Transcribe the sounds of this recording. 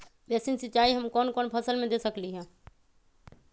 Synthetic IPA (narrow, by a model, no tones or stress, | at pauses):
bjɛsinsɪt͡ʃaːiɦəmkɔːnkɔːnpʰəsəlmẽd̪esəkliɦɛ̃ː